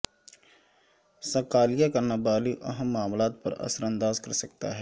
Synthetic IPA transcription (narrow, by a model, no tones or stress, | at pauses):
sɐkaːlijakɐɾnabaːliʔɐ̰ɦəmːaːmlaːt̪̚pɐ̰ɾɐ̰səɾə̃nd̪aːzkɐɾsɐk̚t̪a̰ɦɛː